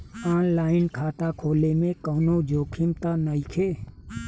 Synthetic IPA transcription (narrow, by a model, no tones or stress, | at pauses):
aːnlaːɪnkʰaːt̪akʰoːlemẽkəːnod͡ʒoːkʰɪmt̪anəikʰeː